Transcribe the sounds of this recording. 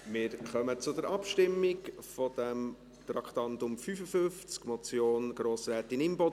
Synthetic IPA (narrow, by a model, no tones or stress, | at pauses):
mɪɾχœmət͡sʊdəɾʔɑpʃtɪmːikfɔd̪̥ɛm | t̪ɾɑkt̪ɑnt̪ʊmfyfəfʏft͡skmɔt͡sjoːnɡ̥ɾoːsɾæːt̪ɪnɪmbɔ